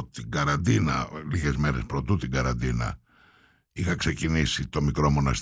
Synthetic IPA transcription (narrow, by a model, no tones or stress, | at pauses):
t̪iɡɐɾɐnd̪inɐliɣe̞zme̞ɾe̞spɾo̞t̪ut̪iɡɐɾɐnd̪inɐ̰ | ixɐkse̞cinisit̪o̞mikɾo̞mo̞nɐs